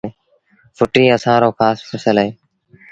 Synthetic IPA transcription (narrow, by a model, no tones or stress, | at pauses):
fʰʊʈiːəsãːɾoːkʰaːspʰəsəlɦeː